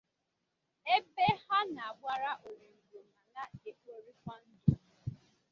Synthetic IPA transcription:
e˦be˦ha˦na˨a˨ɡ͡bʷa˦ɾa˦ʔo˨ɾi˨ŋ̩˨ɡo˨ma˨na˦e˨k͡pʷo˨ɾi˦kʷɔ˦n̩˦dʊ˨

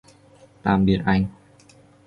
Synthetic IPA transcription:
t̪aː˧mɗi˧ətʔa˧ŋ

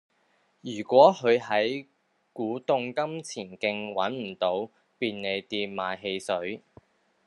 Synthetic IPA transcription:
jyː˨˩kʷɔː˨˥hɵ˨˧ɥɦɐ˨˥j | kuː˨˥t̪ʊ˧ŋkɐ˥mt͡sʰiː˨˩nkɪ˧ŋwɐ˨˥nm̩˨˩t̪o˨˥w | piː˧nne˨˧jt̪iː˧nmaː˨jɦe˧jsɵ˨˥ɥ

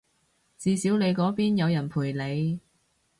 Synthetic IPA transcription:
t͡siː˨˧siː˨˥wne˨˧jkɔː˨˥piː˥njɐ˨˧wjɐ˨˩npʰuː˨˩jle˨˧j

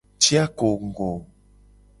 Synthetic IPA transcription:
t͡ʃi˦a˦ko˨ŋ̩˨ɡo˨

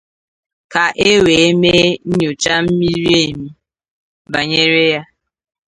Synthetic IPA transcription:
ka˨ʔe˦we˨e˦me˦ɲ̩˦ɲo˨t͡ʃa˦m̩˦mi˦ɾi˦e˦˨mi˦ | ba˨ɲe˦ɾe˦ja˦

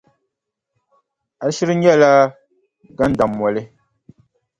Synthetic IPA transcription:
a˨ʃi˦ɾɨ˦ɲɛ˦˨la˦ | ɡa˦n˦da˨mːɔ˨lɪ˦

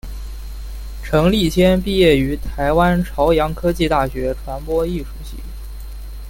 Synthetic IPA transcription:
ʈ͡ʂʰɤ˧˥ŋli˥˩t͡ɕʰjɛ˥npi˥˧jɛ˥˩y˧˥t̪ʰa˧˥ɪwa˥nʈ͡ʂʰɑ˧˥ʊjɑ˧˥ŋkʰɤ˥t͡ɕi˥˧t̪a˥˩ɕɥɛ˧˥ʈ͡ʂʰwa˧˥npwɔ˥i˥˩ʂu˥˩ɕḭ˥˩

